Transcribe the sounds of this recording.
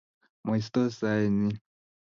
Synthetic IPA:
m˨i˨s̬t̪o˦sa˨ni˦

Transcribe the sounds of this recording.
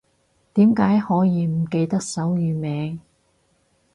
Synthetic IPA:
t̪iː˨˥mkaː˨˥jhɔː˨˥jiː˨˧m̩˨˩ke˧jt̪ɐ˥k̚sɐ˨˥wjyː˨˧mɛː˨˧ŋ

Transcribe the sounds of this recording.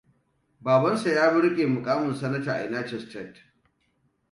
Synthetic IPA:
baː˨bɐ˦nsa˨jaː˦bʊ˦ɽkʲʼeː˨mʊ˨kʼaː˦mʊ˨nsɐ˦nɐ˦taː˨ʔa̰˨naː˦t͡ʃɪ˨stɾɛ˦˨t

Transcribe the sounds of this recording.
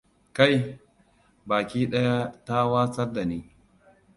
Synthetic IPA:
ka˦˨j | baː˨kʲiː˦ɗɐ˦ja˦ta˦waː˦sɐ˦rda˨niː˦

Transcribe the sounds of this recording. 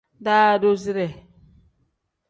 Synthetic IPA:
da˦do˦zi˦ɾɛ˨

